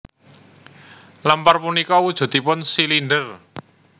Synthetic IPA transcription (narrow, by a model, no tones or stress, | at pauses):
lamparpunikɔwud̥ʒ̥ṳt̪ipʊnsilinɖər